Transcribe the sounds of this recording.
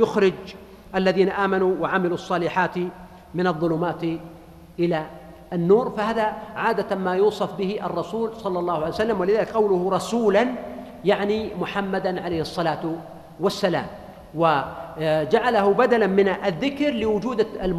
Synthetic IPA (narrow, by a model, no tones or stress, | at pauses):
jʊxɾɪd͡ʒ | ʔalːaðiːnaʔaːmanuwaʕamɪluɑsˤːɑːlɪħaːt̪ | mɪnɑðˤːʊluːmaːt̪ | ʔɪla | ʔanːuːɾfahaːðaʕaːd̪amaːjuːsˤɑfbɪhɪʔɑ̰rˤːɑsuːlsˤɑlːɑlˤːɑːhʕaljsalːamwalɪðaːlɪkqɑwlʊhɾˤɑsuːlan | jaʕnimʊħamːad̪anʕalejhɨsˤːɑlaːt̪ | wasːala̰ːm | wa | d͡ʒaʕalaɦʊbad̪alamɪnaðːɪkɾlɪwʊd͡ʒuːd̪l